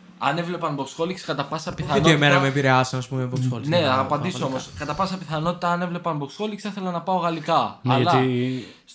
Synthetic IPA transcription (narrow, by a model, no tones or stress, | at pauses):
ɐne̞vle̞pɐnboksxo̞likskɐt̪ɐpɐsɐpiθɐnoemeɾɐmepiɾeɐsɐnɐspumemeboksolne̞ɐpɐndiso̞mo̞skɐt̪ɐpɐsɐpiθɐno̞t̪i̥t̪ɐɐne̞vle̞pɐnboksxo̞likisɐθe̞lɐnɐpɐo̞ɣɐlikɐɐlɐ